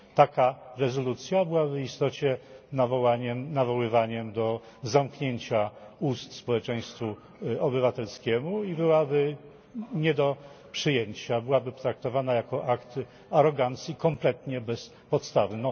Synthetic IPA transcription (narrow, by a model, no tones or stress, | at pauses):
t̪akaɾɛzɔlut̪sʲjabɘwabɘist̪ɔt͡ɕɛnavɔwaɲɛmnavɔwɘvaɲɛmd̪ɔ | zamkɲeɲt͡ɕaust̪spɔwɛt͡ʂɛ̃j̃st̪fu | ɔbɘvat̪ɛlskʲɛmuibɘwabɘ | ɲɛd̪ɔ | pʂɘjeɲt͡ɕabɘwabɘt̪ɾak̚t̪ɔvanajakɔʔakt̪ | aɾɔɡant̪sʲjikɔmplɛt̪ɲɛbɛs | pɔt̪st̪avnɔ